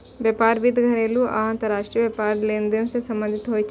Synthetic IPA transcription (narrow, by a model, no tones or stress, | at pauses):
ʋjɐːpaːɾʋɪd̪ʱɡʱɐɾeːluaə̃nt̪əɾːaːʃʈɾijəʋjepaːɾleːnd̪ensesɐ̃mbə̃nd̪ʱɪt̪ɦoːit͡ʃʰ